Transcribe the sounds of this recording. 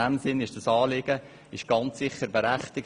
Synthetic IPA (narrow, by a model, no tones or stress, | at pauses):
æmsɪnɪʃd̥ɑsɑːlɪɡ̥ə | ɪʃɡ̥ɑnt͡ssɪχəɾbeɾæχtɪk̚